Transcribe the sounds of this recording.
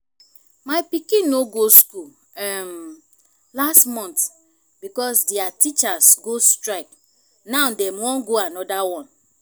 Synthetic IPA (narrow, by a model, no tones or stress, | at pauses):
maɪpikĩnːoɡoskul | ɛm | lastmɔ̃nt | bikɔsdɛatit͡ʃasɡostɾaɪk̚ | naʊdɛmwɔ̃nɡoanɔdawɔ̃n